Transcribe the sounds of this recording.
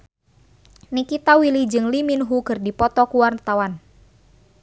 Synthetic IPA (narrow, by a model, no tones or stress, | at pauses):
nikit̪awilid͡ʒɨŋliminɦukɨrdipɔt̪ɔkuwart̪awan